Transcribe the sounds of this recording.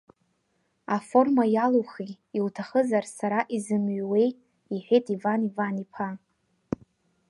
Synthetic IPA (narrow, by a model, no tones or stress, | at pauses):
afo̞rmajaloχi | iltʰaχəzarsaɾaʔizɨmɥwej | iħʷᶣejtʼivanivanipʰa